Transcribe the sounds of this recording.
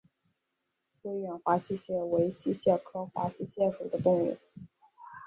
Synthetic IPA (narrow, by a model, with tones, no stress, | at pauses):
jo˧˥ɥɛ˧˩nxwa˧˥ɕi˥ɕjɛ˥˩we˧˥ɪɕi˥ɕjɛ˥˩kʰɤ˥xwa̰˧˥ɕi˥˧ɕjɛ˥˩ʂo˨˩d̪ə˦t̪ʊ˥˧ŋɥɛ̰˥˩˦